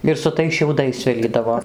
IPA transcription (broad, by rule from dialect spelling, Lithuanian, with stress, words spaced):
ɪr sʊ ˈtɐɪs ʃʲɛʊˈdɐɪs ˈsʲʋʲɪlʲiːdɐʋoː